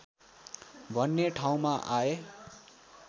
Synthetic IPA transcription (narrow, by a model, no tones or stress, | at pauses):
bʱʌnːeʈʰaw̃maʔae